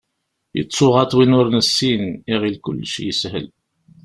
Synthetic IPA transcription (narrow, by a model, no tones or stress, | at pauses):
jə̰t͡sˤːʊʁɑt̪ˤwinʊɾnəsːiniʁilkʊ̰lːʃjəshə̰l